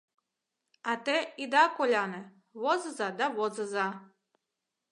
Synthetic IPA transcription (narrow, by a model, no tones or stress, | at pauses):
at̪ɛid̪akoʎʲanɛ | ʋozazad̪aʋozaza